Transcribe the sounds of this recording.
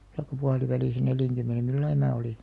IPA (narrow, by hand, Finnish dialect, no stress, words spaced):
tɑikːɑ puɑliʋæliˑsæ neljæŋkymːene milːɑi mæː oli